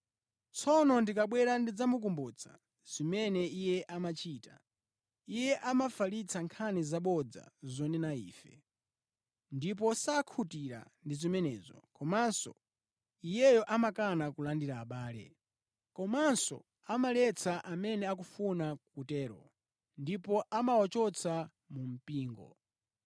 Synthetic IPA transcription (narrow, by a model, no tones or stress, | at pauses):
t͡sʰɔnɔndikaɓwɛɾandid͡zamuk̬umbut͡sʰa̰ | z̥imɛnɛijɛʔamat͡ʃʰiːta | ijɛʔamafalit͡sʰaŋkʰanɛzaɓɔd͡za̰zɔnɛnaḭːfɛ | ndip̬ɔsakʰutiɾa̰ndizimɛnɛ̰ːzɔ̰kɔmansɔ̰ | ijɛjɔʔamakanakulandiɾaːɓaːlɛ̰ | kɔmansɔ̰ | amalɛt͡sʰaʔamɛnɛak̬ufunakutɛːɾɔ̰ | ndipɔʔamawɔt͡ʃɔt͡sʰa | mum̩piːŋɡɔ̰